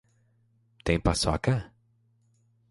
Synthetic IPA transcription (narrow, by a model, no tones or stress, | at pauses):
t̪ẽj̃pasɔkɐ